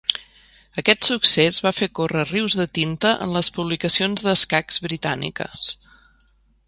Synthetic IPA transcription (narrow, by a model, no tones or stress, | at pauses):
əkɛt̪suksezβafekorəriwzðət̪int̪əʔə̰nləspuβlikəsionzðəskakz̥βɾit̪anḭkə̰s